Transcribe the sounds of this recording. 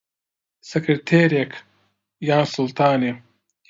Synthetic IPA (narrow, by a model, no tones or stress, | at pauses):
sekɾeʈʰeːɾjek | jãːnsult̪aːne